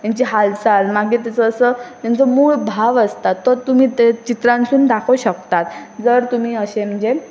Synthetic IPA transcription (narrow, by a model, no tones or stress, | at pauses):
j̪aɲt͡ɕiɦalsalmaɡit̪̬at͡səːsət̪jat͡səmuːɭbʱaʋəst̪at̪ːəɾt̪um̤iːt̪t͡ɕit̪ɾãnsuːnd̪akʰəwɕəkt̪at̪d͡zəɾt̪um̤iːəɕem̤əɲd͡ze